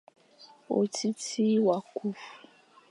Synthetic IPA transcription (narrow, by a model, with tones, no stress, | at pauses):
o̰˨tʰi˦tʰi˦wa˨ku˦fu̥˨